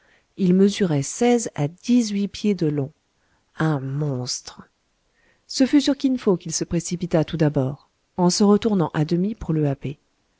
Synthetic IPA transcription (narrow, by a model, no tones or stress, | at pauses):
ilməzyʁɛsɛzad̪izɥipjed̪əlɔ̃ | ɛ̃mɔ̃st̪χ | səfysyʁkʲinfokilsəpχesipit̪at̪ud̪abɔːʁ | ɑ̃səʁət̪uʁnɑ̃ʔad̪əmipuʁləape